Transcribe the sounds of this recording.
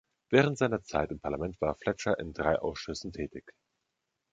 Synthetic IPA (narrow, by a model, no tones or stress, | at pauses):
vɛːʁ̞əntz̥aɪnɐt͡sa̰ɪtɪmpʰaɐlamɛntv̥aːɐflɛt͡ʃɐʔɪ̰ndʁaɪʔa̰ʊsʃʏsn̩tʰɛːtɪç